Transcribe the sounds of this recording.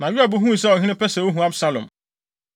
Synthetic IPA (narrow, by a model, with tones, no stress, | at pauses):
nã˨ɥi˦a˨bu˦ɦũ˦i˨sɛ˦ɔ˨hɪ̃˦nɪ̃˦pɛ˦sɛ˨wo˦ɦũ˨a˦bsa˦lɔ̰̃˨m